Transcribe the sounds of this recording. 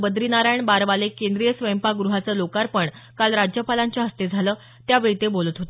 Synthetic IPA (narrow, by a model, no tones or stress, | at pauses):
bəd̪ɾinaɾaaɳbaɾʋalekẽnd̪ɾijəsʋəjəmpaɡɾuɦat͡səːlokaɾpəɳkalɾad͡ʑjəpalaɲt͡ɕjaɦəst̪ed͡zʱaləː | t̪jaʋeɭt̪ebolət̪ɦot̪e